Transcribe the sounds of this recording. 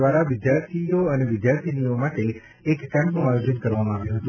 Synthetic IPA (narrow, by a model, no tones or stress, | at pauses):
ʋaɾaʋɪd̪jaɾt̪ʰijoəneʋɪd̪jaɾt̪ʰiniomaʈeː | kːɛ̃mpnũajod͡ʒənkəɾʋamãaʋjũɦət̪ũ